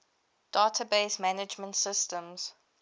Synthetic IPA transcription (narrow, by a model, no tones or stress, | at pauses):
d̥aːtʰəbeɪsmanɪd͡ʒmə̃ntsɪstə̃mz̥